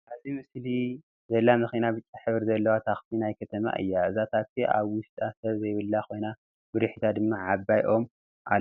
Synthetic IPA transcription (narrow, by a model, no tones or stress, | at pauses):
ʔazimɨsli | zɐlːamɨxinabɨt͡ʃʼːaħɨβɾzɐlːɐwat̪ʰaxsinajkʰɐt̪ʰɐma̰ʔɨ̰jːaɨzat̪ʰat̪ʰːiʔa̰βwʊʃt̪ʼasɐβzɐjβɨlːako̞jna | bɨɾɨħit̪ʰad̪ɨmːaʕabajʔo̞m | ʔa